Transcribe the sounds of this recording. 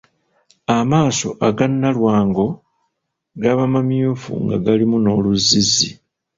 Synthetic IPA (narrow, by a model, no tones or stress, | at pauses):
amaːso̞ʔaɡanːalwaːŋɡo̞ | ɡaβamamjuːfṵŋɡa̰ɡalimuno̞ːluzizi